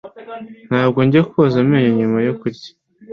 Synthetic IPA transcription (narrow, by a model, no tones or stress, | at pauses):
n̥haːb̚ɡoɲɟiakukozammeːɲeɲumajokuɾɟḁ